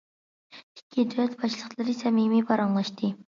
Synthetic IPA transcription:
i̥kʲʰːid̪ɛt̪bɑʃlˠəχlˠɨɾɨsɛmimibɑɾɑŋlˠɑʃt̪ʰɨ

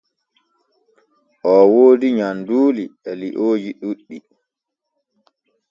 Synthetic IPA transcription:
ʔɔwoːdiɲanduːliɛliʔoːd͡ʒiɗuɗːi

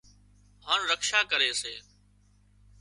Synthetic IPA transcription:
ɦaːnɾəkʃaːkəɾeːseː

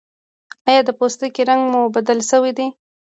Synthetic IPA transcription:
ɑjɑd̪əpost̪əkeɾaŋɡmubad̪əlʃəwid̪e

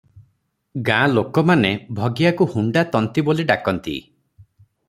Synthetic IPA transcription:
ɡãlokɔmanebʱɔɡijakuhuɳɖat̪ɔnt̪iboliɖakɔnt̪ḭ

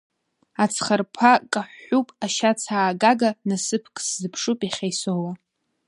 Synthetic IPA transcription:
at͡sʰχarpʰakʼaħːupʼaʃat͡sʰaːɡaɡanasɨpʰkʼszɨpʰʂupʼiχʲajsowa

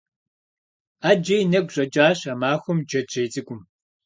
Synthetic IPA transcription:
aːd͡ʒejnɐɡʷɕʼɐd͡ʒʼaːɕɐmaːxʷʊmd͡ʒɐd͡ʒeːt͡sʼɨɡʷʼʊm

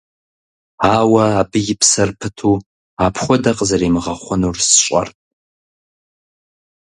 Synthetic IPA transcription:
aːwɐːbɨjɪpʰsɐrpʰɨtʰu | apʰχʷʊdɐqʼzɐɾimɨʁɐχʷʊnursɕʷʼa̰rtʼ

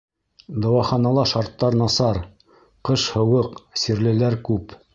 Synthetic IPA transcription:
d̪ɑwɑχɑnɑlˠɑʃɑɾt̪ːɑɾnɑsɑɾ | qɤʃhɤ̆wɤqsiɾlɘ̆læɾkʉp

